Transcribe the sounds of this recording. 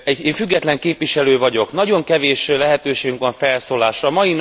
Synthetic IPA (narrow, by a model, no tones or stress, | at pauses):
ɛɟeːɱfyɡːɛt̪lɛŋkeːpʋiʃɛløːvɒɟo̞knɒɟo̞ŋkɛveːʃlɛɦɛt̪øːʃeːɡyŋkʋɒɱfɛlsoːlaːʃrɒmɒjin